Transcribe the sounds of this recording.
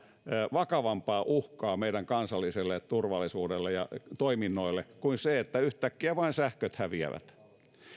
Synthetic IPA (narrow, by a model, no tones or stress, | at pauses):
ʋɑkɑʋɑmpɑːʔuhkɑːmeidæŋkɑnsɑlːiselːett̪urʋɑlːˑisuːdelːejɑ̰t̪oiminːoilːekuinseet̪ːæyht̪ækːiæʋɑinsæhkøt̪hæʋiæ̰ʋæ̰t̪